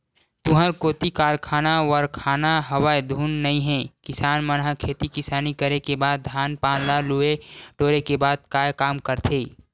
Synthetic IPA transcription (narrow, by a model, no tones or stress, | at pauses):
t̪ʊɦəɾkoːt̪ikaːɾkʰaːnaʋəɾkʰaːnaɦəwaːjd̪ʱuːnːɐĩɦɛ̃kɪsaːnmənɦəkʰeːt̪ikɪsaːnikəɾekebaːd̪̚ːʱaːnpãːnlalueɖoːɾekebaːd̪̚kaːjkaːmkəɾt̪ʰeː